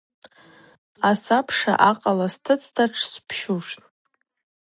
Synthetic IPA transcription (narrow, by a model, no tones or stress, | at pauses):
asapʰʂa̰ʔaqʼalastʰɨt͡sʼʰtʰaʈ͡ʂʰspʰʃuʂtʼ